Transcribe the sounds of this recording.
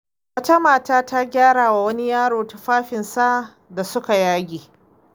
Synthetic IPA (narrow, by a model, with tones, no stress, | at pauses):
wɐ˦ta˦maː˨taː˦ta˦ɡʲaː˦ɽaː˨wa˨wɐ˦ni˦jaː˦ɽoː˨ta˨ɸaː˦ɸɪ˨nsa˦ | da˨sʊ˦ka˨jaː˦ɡʲeː˨